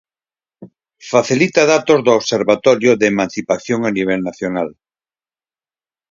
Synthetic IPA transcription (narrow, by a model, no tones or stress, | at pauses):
faθilit̪aðat̪ozðʊoβseɾβat̪ɔɾjʊðeːmãn̟θipaθjoŋaniβ̞ɛlnaθjonal